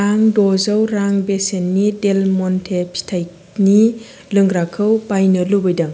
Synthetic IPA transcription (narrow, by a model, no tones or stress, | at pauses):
aŋdɔzəwɾaŋbesenːidelmɔntʰepʰi̥tʰajk | ni | lɯŋɡɾakʰɯwbajnɯlubɯjdɐŋ